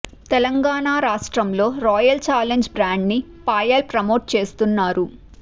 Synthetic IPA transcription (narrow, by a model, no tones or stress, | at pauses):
t̪ɛlɐŋɡaːɳaːɾaːʂʈɾɐmlo̞ːɾɔːjɐlt͡ʃaːleɲd͡ʒbɾaːɳɖni | paːjɐlpɾɐmo̞ːʈ̚t͡ʃe̞ːst̪unːaːɾu